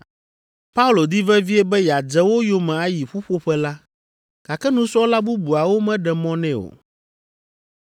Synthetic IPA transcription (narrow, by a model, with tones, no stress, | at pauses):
pa˦u˦lo˨d̪i˦vɛ˦vi˦ɛ˦bɛ˦ja˨d͡ʒɛ˦wo˦jo˦mɛ̃˨a˦ji˨ɸu˦ɸo˦ɸɛ˦la˦ | ka˨kɛ˦nũ˨sɔ˦la˦bu˦bu˨a˨wo˦mɛ̃˦ɖɛ˨mɔ̃˦nɛ̃˦o̰˨